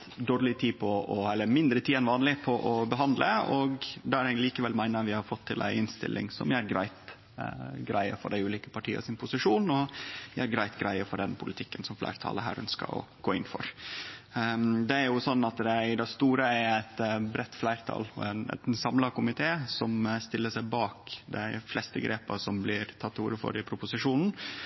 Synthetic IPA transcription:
d̪oːɾlɪt̪ʰiːpʰɔɔɛlːəɾmɪnd̪ɾət̪ʰiːɛnʋɑːnlɪpʰɔʔɔbəɦɑnd̪ləɔɡd̪ɛæɾɛɡliːkəʋɛlmæɪnəʋɪhɑɾfɔt̪ʰːɪlʔæ̰ɪɪnst̪ɪ̰lʔɪ̰ŋsɔ̰mæɾɡɾæɪt̪ | ɡɾæɪə̰fɔ̰ɖæɪʉːliːkə̥pʰɑʈʰiːə̰sɪnpʰʊsɪʂuːnɔæɾɡɾæɪt̪ɡɾæɪəfɔɖɛnpʰʊlɪt̪ʰɪkːənsɔmflæ̰ɪɾt̪ʰɑ̰ːləɦæ̰ːɾœ̰nskə̰ɔ̰ɡ̥oːɪnːfɔ̰ɾ | d̪ɛæɾjʊsɔnːɑt̪d̪ɛd̪æst̪uːɾəæɾæt̪bɾɛt̪ːflæɪɾt̪ʰɑ̰ːlɔ̰ɛnɛ̰t̪sɑmlɑkʊmɪt̪ʰeːsɔmst̪ɪlːəʂæɪbɑːkd̪æɪflɛst̪əɡɾeːpəsɔmblɪɾt̪ʰɑt̪ːuːɾəfɔ̰ɾɪpʰɾʊpʊsɪʂuːnn̩

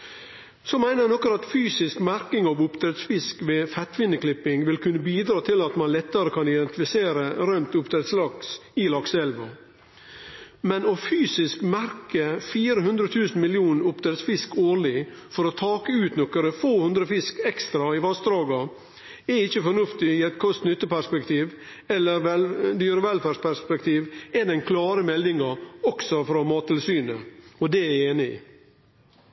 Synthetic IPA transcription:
sɔmæɪnənɔkəɾɑt̪fyːsɪskmæɾkɪŋɑːʋʊpt̪ʰɾɛt̪sfɪskʋeːfɛt̪ʋɪnːəklɪpɪŋʋɪlkʰʉnːəbiːd̪ɾɑːt̪ʰɪlɑt̪mɑnlɛt̪ːəɾəkʰɑnɪd̪ɛnt̪ɪfɪseːɾəɾœʏmt̪ʊp̚t̪ʰɾɛt̪slɑksɪlɑksɛlʋɔ | mɛnofyːsɪskmæɾkəfiːɾəɦʉnd̪ɾət̪ʰʉːsn̩mɪlɪuːnəʊpt̪ʰɾɛt̪sfɪskoːɭɪ | fɔɾɔt̪ʰɑːkəʉːt̪nɔkəɾəfoːhʉnd̪ɾəfɪskɛkst̪ɾɑɪʋɑst̪ɾɑːɡɑ | ɛɪçəfɔnʉft̪ɪiːɛt̪kʰɔst̪nʏt̪ːəpæʂpɛkt̪iːʋ | ɛlːəɾd̪yːɾəʋɛlfæʂpʰæʂpɛkt̪ʰiːʋɛd̪ɛnkʰlɑːɾəmɛlːɪŋɑɔksɔfɾɑmɑːt̪ʰːɪlsyːnəɔd̪ɛæeːnɪ̰

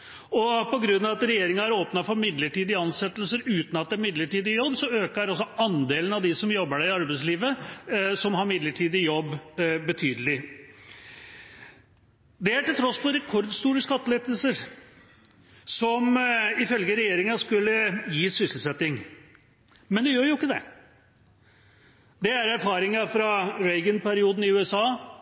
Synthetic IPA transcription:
ɔpɔɡɾʉnːɑɑt̪ɾɛjeːɾɪŋɑæɾoːpnɑfɔɾmɪd̪ləʈiːd̪ɪɑnsɛt̪ːəlsəɾʉːt̪n̩ɑt̪̚ɛːɾmɪd̪ləʈiːd̪ɪjɔbːsɔøːkɑɾɔsːɔɑnd̪eːlənɑʋd̪ɪsɔmjɔbːəɖæɪɑɾbæɪsliːʋəsɔmɦɑɾmɪd̪ləʈʰiːd̪ɪjɔbːbət̪ʰyːd̪əlɪ | d̪ɛæʈɪlt̪ʰɾɔsːpʰɔɾɛkʰɔɾd̪st̪uːɾəskɑt̪ːəleːd̪əlsəɾ | sɔmɪfœlɡəɾɛjeːɾɪŋɑskʉlːəjiːsʏsəl̩sɛt̪ːɪŋ | mɛnd̪ɛjøːɾjʊɪkːəd̪ɛ̰ | d̪ɛæɾæɾfɑːɾɪŋɑfɾɑɾɛɪɡənpæɾɪuːd̪n̩ɪʉːɛsɑː

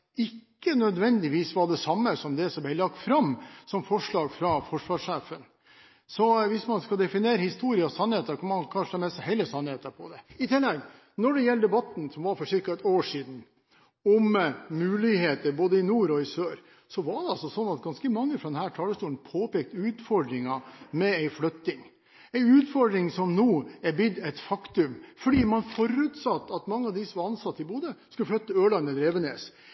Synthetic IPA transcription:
ɪkːənœd̪ʋɛnd̪ɪʋiːsʋɑɖɛsɑmːəsɔmd̪ɛsɔmbɛɪlɑk̚t̪fɾɑmsɔmfɔʂɭɑːɡfɾɑfɔʂʋɑːʂeːfən | sɔʋɪsmɑnskɑd̪ɛfɪneːɾəhɪst̪uːɾɪəɑsɑnheːt̪əkʰɑnmɑnkʰɑnʂəæmɛshɛɪləsɑnːheːt̪əɾpʰɔd̪ɛɪt̪ʰɪlːɛɡ | nɔɖɛjɛlːəd̪ɛbɑt̪n̩sɔmʋɑɾfɔɾʂɪɾkɑɛt̪oːʂiːd̪n̩ | ɔmmʉːlɪheːt̪əɾboːd̪əɪnuːɾɔɪsøːɾ | sɔʋɑɖɛɑlsɔsɔnːɑt̪̚ɡɑnskəmɑŋːəfɾɑɔd̪ɛnhæːʈʰɑːləst̪uːlənpʰoːpeːk̚t̪ʉːt̪fɔɾɖɾɪŋɑmɛæɪflœt̪ːɪŋ | æɪʉːt̪fɔɾɖ̪ɾɪŋsɔmnoːɛɾbɪd̪ɛt̪fɑkt̪ʉmfɔɖiːmɑnfɔɾʉːt̪sɑt̪ːɑt̪mɑŋːəɑʋd̪ɪsɔʋɑɾɑnsɑt̪ːɪlbuːd̪əskʉləflœt̪ːəøːɖɑnəd̪ɾeːʋəneːs

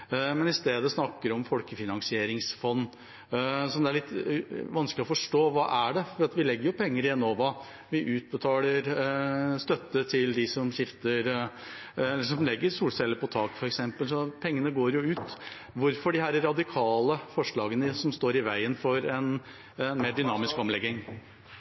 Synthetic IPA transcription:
mɛnɪst̪eːd̪əsnɑkːəɾɔmfɔlkəfɪnɑnsɪeːɾɪŋsfɔnː | sɔmd̪ɛæɭɪt̪ːʋɑnsklɪɔfɔʂʈoːʋɑːʔæɖɛfɔɾiːɑt̪ʋɪlɛɡːəɾjʊpʰɛŋːəɾɪɛnoːʋɑ | ʋɪʔʉːt̪̚bət̪ʰɑːləɾ | st̪œt̪ːət̪ʰɪld̪ɪsɔmɕɪft̪əɾ | ɛlːəʂɔmlɛɡːəɾsuːlsɛlːəpɔt̪ʰɑːkfɔɾɛksɛmpəlsɔpʰɛŋːənəɡoːɾjʊʉːt̪ | ʋʊɾfɔɖɪhæːɾəɾɑd̪ɪkʰɑːləfɔʂɭɑːɡənəsɔmst̪oːɾɪʋæɪənfɔɾɛn | meːɖʏnɑːmɪskɔmlɛɡɪŋ

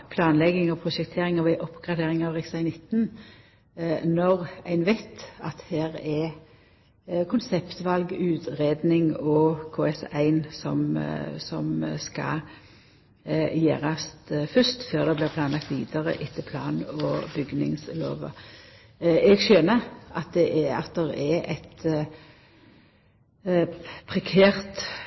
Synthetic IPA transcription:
pʰlɑːnlɛɡɪŋɔpʰɾʊʃɛkt̪ʰeːʁɪŋɔʋɛɪʔɔpːɡ̥ʁɑd̪eːʁɪŋɑʋʁɪksæɪnɪt̪n | nɔʁæɪnʋæɪt̪ɑt̪heːɾɛ | kʰʊnsɛpt̪ʋɑlɡʉːt̪ʁeːd̪nɪŋɔkʰoːɛsæɪnsɔmsɔmskɑ̰ | jæːʁɑst̪fʉst̪føːʁd̪ɛblɪːʁpʰlɑːnlɑk̚t̪ʋiːd̪ɑʁə̰ʔɪt̪ʰːəpʰlɑːnɔbʏɡnɪ̰ŋslo̰ːʋə̰ | ɛɡʃøːnəʔɑt̪̚d̪ɛʔɛɑ̰t̪̚d̪ɛʁɛɛt̪ | pʰʁɛkʰæːʁt̪

